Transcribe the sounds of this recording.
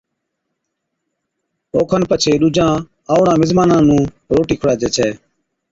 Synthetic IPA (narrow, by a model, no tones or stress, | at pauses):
oːkʰənpət͡ʃʰeːɗʊd͡ʒãː | aːʊɽãːmɪzmaːnãːnũː | ɾoːʈiːkʰʊɽaːd͡ʒeːt͡ʃʰɛː